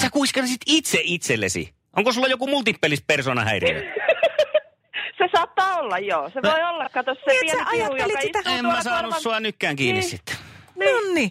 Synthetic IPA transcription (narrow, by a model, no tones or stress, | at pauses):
sækuiskensit̪it̪seʔʔit̪selːḛsḭ | ʔoŋkosulːɑjokumult̪ipːelispersoːnɑ̰hæ̰ˑirḭæ̰ | sesɑːt̪ːɑːolːɑjjoːseʋoiolːɑkːɑt̪osseʋiɛʔɑjɑːeliæemmæsɑːnussuɑnykːæːŋkiːnnissit̪ːe̥nonːi